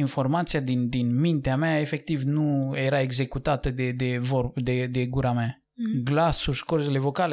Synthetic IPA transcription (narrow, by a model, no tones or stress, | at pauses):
info̞rmat̪sijad̪ind̪inmint̪eameae̞fe̞k̚t̪ivnujeɾae̞ɡze̞kut̪at̪əd̪ed̪evod̪ed̪e̞ɡuɾamea | ɡlasuʃkorzele̞vo̞kale